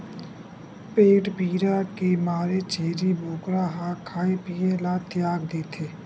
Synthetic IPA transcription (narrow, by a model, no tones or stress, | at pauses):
peːʈbiːɾakemaːɾet͡ʃeːɾibʱoːkɾaɦakʰaːipijelat̪jaːɡd̪eːt̪ʰeː